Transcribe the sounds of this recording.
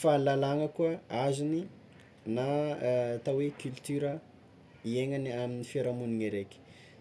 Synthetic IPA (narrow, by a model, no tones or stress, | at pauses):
falalaŋəkuəazini | na | t̪awekʲylt̪yɾə | ieŋəniaminifaɾamuniŋeɾeki̥